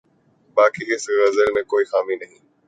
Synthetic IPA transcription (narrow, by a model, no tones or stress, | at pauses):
baːkiɪsɣɐzəlmẽkoːiːxaːmĩnɐɦĩː